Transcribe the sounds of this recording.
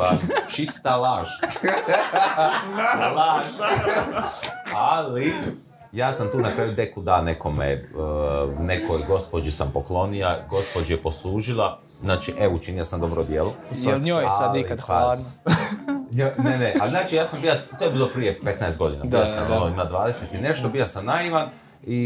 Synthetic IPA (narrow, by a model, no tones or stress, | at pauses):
aːnot͡ʃist̪alaːʒ | d̪alaːʒ | ali | jaːsamt̪uːnakɾaːjud̪ekud̪aːne̞ko̞mḛ | nekojɡo̞spod͡ʒisampoklˠo̞nijaɡo̞spod͡ʒijepo̞slˠuːʒilˠa | znaːt͡ʃiʔeut͡ʃinijasamd̪o̞bɾod̪jeːlˠosɲojasalikaa | ɲoneneʔalznaːt͡ʃijaːsambiːlat̪oːjebiːlˠopɾijepe̞t̪naest̪ɡo̞d̪ina̰dbilasa̰moimad̪ʋaːd̪e̞set̪ine̞ʃt̪obiasamnaiʋan | i